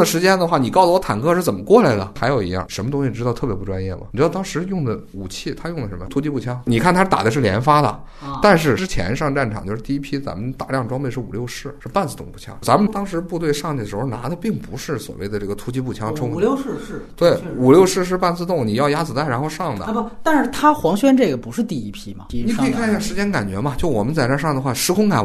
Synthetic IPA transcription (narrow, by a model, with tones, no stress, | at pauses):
d̪ə˩ʂɻ̩˧˥t͡ɕjɛ˥nd̪ə˨˧xwa˥˩ni˨˩kɑ˥˩ʊzə˩wɔ˧˥t̪ʰa˨˩nkʰɤ˥ʂɻ̩˥˩t͡sə˨˩mə˦kwɔ˥˩la˧˥ɪlə̰˩xa˧˥ɪjo˨˩ʊḭ˧˥jɑ̰˥˩ŋʂə˧˥mə˧ʊ˥ŋɕi˧˩ʈ͡ʂɻ̩˥t̪t̪ʰɤ˥˩pjɛ˧˥pu˥˩ʈ͡ʂwa˥njɛ̰˥˩mɐ̰˩˨˩ɻt̪ɑ˥ŋʂɻ̩˧˥jʊ˥˩ŋd̪ə˩ | u˨˩t͡ɕʰi˥˩t̪ʰa˥jʊ˥˩ŋd̪ə˩ʂə˧˥mə˧t̪ʰu˥t͡ɕi˥pu˥˩t͡ɕʰjɑ˥ŋni˨˩kʰa˥˩nt̪̩ʰ˥˩t̪a̰˨˩d̪ə˦ʂ̬̩˥˩ljɛ̰˧˥nfa˥d̪ə̰˨ | t̪a˥˧nʂ̬ɻ̩˥˩ʈ͡ʂɻ̩˥t͡ɕʰjɛ̰˧˥nʂɑ˥˧ŋʈ͡ʂa˥˩nʈ͡ʂʰɑ̰˨˩ŋt͡ɕjo˥˧ʊʂɻ̩˥˧t̪i˥˧i˥pʰi˥t͡sa̰˧˥mə˨nt̪a˥˩ljɑ˥˩ŋʈ͡ʂwɑ˥ŋpe˥˧ɪʂɻ̩˥˩ṵ˨˩ljo˥˧ʊʂɻ̩˥˩ʂɻ̩˥˧pa˥˧nt͡sɹ̩˥t̪ʊ˥˩ŋpu˥˩t͡ɕʰjɑ̰˥ŋt͡sa˧˥mə˧t̪ɑ˥ŋʂɻ̩˧˥pu˥˧t̪we˥˧ɪʂɑ˥˧ŋt̪i˥˩ə˩ʂɻ̩˧˥xna̰˧˥d̪ə˧pi˥˩ŋpu˧˥ʂɻ̩˥˩swɔ̰˨˩we˥˩ɪd̪ə˩ʈ͡ʂɤ˥˩ɡə˩t̪ʰu˥t͡ɕi˥pu˥˩t͡ɕʰjɑ˥ŋʈ͡ʂʰʊ˥ŋə˧˥˧t̪we˥˩ɪu˨˩ljo˥˧ʊʂɻ̩˥˧ʂ̬ɻ̩˥˧pa˥˧nt͡sɹ̩̬˧ʊ˥˩ŋni˨˩jɑ˥˧ʊja˥t͡sɹ̩˨˩t̪a˥˩ɪɻa˧˥xo˥˧ʊʂɑ˥˩ŋd̪ə̰˨˥˧t̪a˥˧nʂɻ̩˥˩t̪ʰa˥xwɑ˧˥ŋɕɥɛ˥nʈ͡ʂɤ˥˩ɡə˩pu˧˥ʂɻ̩˥˧t̪i˥˩i˥pʰi˥mɐ̰˩i˨˩kʰi˨˩kʰa˥˩˧ɕja˥˩ʂɻ̩˧˥t͡ɕjɛ˥nka˨˩nt͡ɕɥɛ̰˧˥mɐ˧t͡ɕjo˥˩ʊwɔ˨˩mə˦nt͡sa˥˩ɪʈ͡ʂa˥ʂɑ˥˩ŋd̪ə˩xwa˥˩ʂɻ̩˧˥kʰʊ˥ŋka̰˨˩n